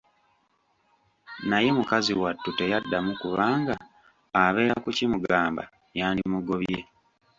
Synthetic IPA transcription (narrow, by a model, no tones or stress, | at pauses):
naje̞mukaziwatːute̞jadːamukuβaːŋɡaː | βe̞ːɾakucimuɡaːmba̰ | jaːndimuɡo̞βje